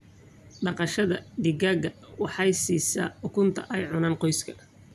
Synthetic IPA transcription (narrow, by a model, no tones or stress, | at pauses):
ɖɑqɑʃɐðɐd̪ɪɡaɡɐwɑħɑjsiːsɐ̰ħʊkʰʊnt̪ʰɐʔɛjʕʊnaːnqɔjskʰɐ̥